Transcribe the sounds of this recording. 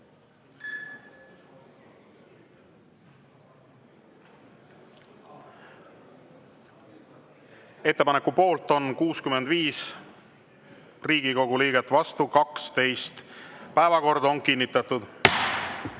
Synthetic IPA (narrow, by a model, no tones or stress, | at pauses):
e̞t̪ːe̞pɑnekupo̞ːlt̪ˑo̞nkuːskyme̞nd̪viːs | riːɡ̥iko̞ɡuliːɡ̥et̪ːˑvɑst̪ukɑkst̪e̞jst̪pæevɑko̞rd̪o̞ŋkinʲːit̪ːˑɑt̪ud̪̥